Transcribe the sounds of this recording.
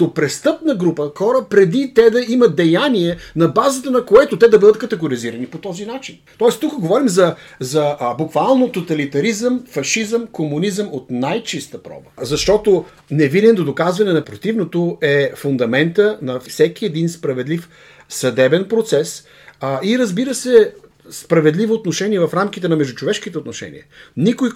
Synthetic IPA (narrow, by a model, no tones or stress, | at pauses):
t̪opɾɛst̪ɤpnəɡɾupəxɔɾəpɾɛd̪it̪ɛd̪ɐimɐt̪̚d̪ɛjaniɛnɐbazət̪ənɐkoɛt̪ʊt̪ɛd̪ɐbəd̪ət̪̚kɐt̪ɛɡʊɾiziɾənipot̪ɔzinat͡ʃint̪ɔɛst̪ukəɡovɔɾimzɐzɐbukvalˠnot̪ot̪ɐlit̪ɐɾizəmfɐʃizəmkomunizəmot̪najt͡ʃist̪əpɾɔ̰bəzɐʃt̪ɔt̪o | nɛvid̪ɛnd̪od̪okazvɐnɛnɐpɾot̪ivnot̪oɛfʊnd̪ɐmɛnt̪ənɐfsɛk̟iɛd̪inspɾɐvɛd̪lif | sɐd̪ɛbɛnpɾot̪sɛs | iɾəzbiɾəsɛ | spɾɐvɛd̪livoːt̪noʃɛniɛvɐfɾamk̟it̪ɛnɐmɛʒd̪ut͡ʃovɛʃkit̪ɛot̪noʃɛ̰nʲḭɛnikoj